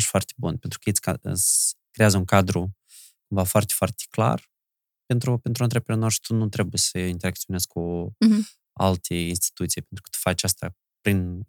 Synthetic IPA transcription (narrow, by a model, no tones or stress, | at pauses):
ʃfoart̪ebunpe̞nt̪ɾu̥kəjesʲkaɨ̰kɾe̞jazəuŋkad̪ɾu | kuɱvafoart̪efoart̪e̥kla̰r | pe̞nt̪ɾupent̪ɾuənt̪ɾepəɾʲanost̪t̪unut̪ɾe̞bujesəint̪eɾakt̪sionesku | a̰lt̪ʰeinst̪i̥t̪ut̪sijpe̞nt̪ɾukə̥t̪u̥fat͡ʃast̪a | pɾin